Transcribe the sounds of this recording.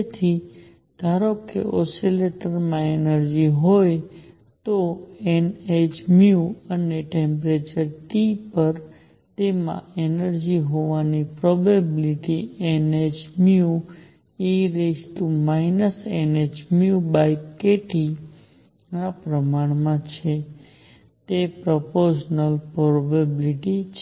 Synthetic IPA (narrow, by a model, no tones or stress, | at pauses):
et̪ʰi | d̪̥ʱaɾokːḛʔɔ̰sileʈəɾmãenəɾd͡ʒiɦoj | t̪oened͡ʒmiuəneʈẽmpɾet͡ʃəɾʈipəɾ | t̪emã̰enəɾd͡ʒiɦoʋanipɾɔbabiliʈiened͡ʒmiu | iɾesʈumainəsened͡ʒmijubajkeʈi | napɾəmaɳmãt͡ʃʰe | t̪epɾɔpoɾʃnəlpɾɔbabiliʈit͡ʃʰ